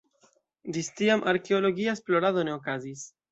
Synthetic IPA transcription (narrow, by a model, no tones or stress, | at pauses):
d͡ʒistiamʔaɾke̞o̞lo̞ɡiaesplo̞ɾaðo̞ne̞o̞kazis